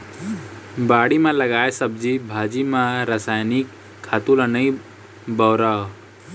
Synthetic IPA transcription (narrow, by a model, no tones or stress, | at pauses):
baːɽimãləɡaːesəb̚d͡ʒibʱaːd͡ʒimãɾasaːjnikʰː | aːt̪ulənəĩ | bəːɾao